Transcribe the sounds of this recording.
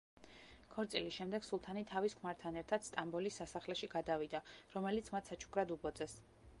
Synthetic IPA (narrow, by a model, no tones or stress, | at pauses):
kʰɔɾt̪sʼḭlisʃɛmd̪ɛɡ̥sulˠt̪ʰanit̪ʰaviskʰmaɾt̪ʰanɛɾt̪ʰad̪st̪ʼambɔlisːasaχlɛʃiɡad̪avid̪aɾɔmɛlit̪sʰmat̪ʰsat͡ʃʰu̥kʰɾad̪ubɔd̪zɛs